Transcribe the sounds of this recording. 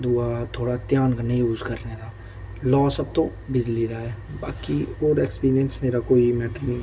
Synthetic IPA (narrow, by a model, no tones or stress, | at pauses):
d̪uat̪ʰoːɽat̪jaːnkənejuːzkɐɾned̪aː | lɔːsɐb̚t̪õ | bɪd͡ʒlid̪aɦɛːba̰ːkioːɾeːkspiːɾijə̃nsmeːɾakoːimɛːʈəɾnĩ